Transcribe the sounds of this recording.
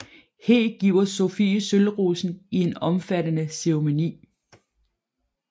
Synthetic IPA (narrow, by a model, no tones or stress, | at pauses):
hḛːɡ̥iʊɐso̝fḭːsølʁuːsn̩ie̝nɒ̽mfædənəseomo̝nḭː